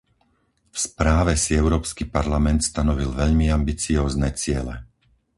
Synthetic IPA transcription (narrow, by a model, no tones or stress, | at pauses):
fspɾaːʋɛsiɛʊɾɔːpskipaɾlamɛnt̪st̪anɔʋilʋɛʎmiambit͡siɔːznɛt͡sɪɛlɛ̰